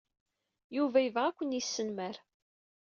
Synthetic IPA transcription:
juvæjvæækʷːənisːənmæɾ

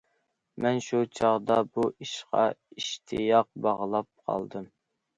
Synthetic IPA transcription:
mɛnʃut͡ʃʰɑʁd̪ɑbuiʃqɑ̰iʃt̪ʰɨjɑq̚bɑʁlˠɑp̚qʰɑ̰lˠd̪ɨm

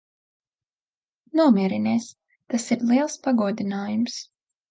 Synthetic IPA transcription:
nuɔmʲiɛɾineːs | t̪asiɾlˠiɛlˠspaɡuɔd̪inaːjums

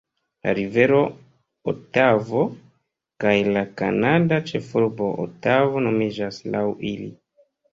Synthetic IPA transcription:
la̰ɾive̞ɾo̞ | otavo̞ | kajlaka̰nadat͡ʃe̞fuɾbo̞ʔo̰tavo̞no̞mid͡ʒaslawilḭ

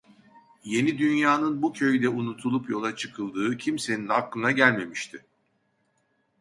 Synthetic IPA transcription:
je̞nid̪ynjaːnɯnbucʰø̞jd̪ɛunut̪ʰulˠupjo̞lˠat͡ʃʰɯkʰɯlˠd̪ɯːcʰimse̞ninaklˠɯnaɟælʲme̞miʃt̪ʰɪ

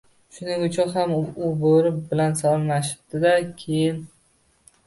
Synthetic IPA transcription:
ʃʊnɪɡʲʊt͡ʃʰɒɦamʊboɾɪp̚bɪlansɒlmaʃɪ̥p̚d̪̥ɪd̪akʲʰejɪn

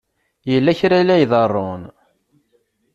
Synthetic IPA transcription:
jəlːæçɾælæjðˤərˤːon

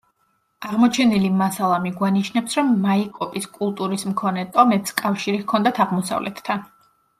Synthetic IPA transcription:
aʁmɔt͡ʃʰɛnilimasalˠamiɡwaniʃnɛpsɾɔmːaikʼɔpʼiskʼulˠt̪ʼuɾismkʰɔnɛt̪ʼɔmɛt̪skʼafʃiɾiɣkʰɔnd̪at̪ʰaʁmɔsa̰vlɛ̰t̪ʰːan

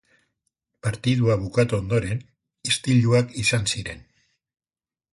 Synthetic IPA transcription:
paɾt̪ið̞uaβ̞ukat̪uond̪o̞ɾe̞n | ist̪iʎuakisansiɾe̞̰n

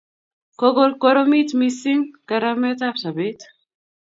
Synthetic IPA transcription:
koɡolkoɾomit̪misiŋkaɾamet̪afsabet̪

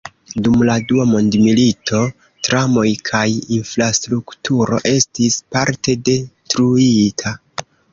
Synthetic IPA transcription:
dumladuamo̞ndmilitʰo̞ | tɾamo̞jkʰajinfɾastɾuktuɾo̞̰ʔe̞stispaɾte̞de̞tɾuitʰa

